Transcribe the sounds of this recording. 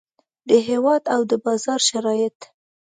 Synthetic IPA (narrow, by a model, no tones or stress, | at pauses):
d̪əɦewɑd̪awd̪əbɑzɑɾʃaɾɑjɪt̪